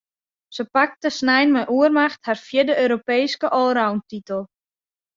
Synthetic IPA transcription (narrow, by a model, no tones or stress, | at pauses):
səpak̚təsnɛjnmɛjʔuərmaxtharfjɪdəøːɾopeːskəʔɔlˠrawntitəlˠ